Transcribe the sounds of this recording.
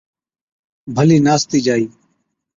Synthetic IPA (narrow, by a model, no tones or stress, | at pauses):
bʱəliːnaːst̪iːd͡ʒaːiː